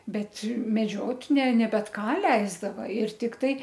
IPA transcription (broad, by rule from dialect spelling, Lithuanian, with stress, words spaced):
ˈbʲɛt mʲɛˈd͡ʒʲoːtʲ nʲɛ nʲɛ ˈbʲɛt ˈkɑː ˈlʲɛɪzdɐʋɐ ɪr tʲɪkˈtɐɪ